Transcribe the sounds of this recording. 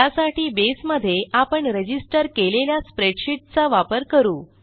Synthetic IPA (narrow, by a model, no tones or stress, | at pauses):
asaʈiːbesməd̪ʱːjeʔapəɳɾed͡ʑisʈəɾkeleljaspɾeɖɕiʈ̚t͡saʋapəɾkəɾuː